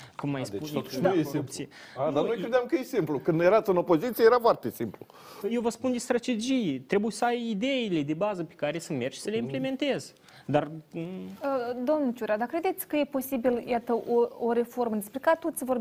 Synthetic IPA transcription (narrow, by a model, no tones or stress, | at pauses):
kumːajspuneupt̪sije | ad̪anojkkɾed̪eɪamkəjesimplukɨnd̪jeɾat̪sɨno̞po̞zit̪siejeɾafoart̪esimplu | jewvəspund̪ist̪ɾat̪e̞d͡ʒijet̪ɾe̞bujesəajid̪e̞ile̞d̪e̞bazəpe̞̥kaɾe̞sɨnme̞rʃi̥səle̞imple̞me̞nt̪e̞z | d̪ar | əd̪omnut͡ʃuɾad̪akːɾe̞d̪e̞t̪sʲkəje̞po̞sibiljat̪əʔooɾe̞fo̞rməd̪espɾekat̪ot̪sʲvor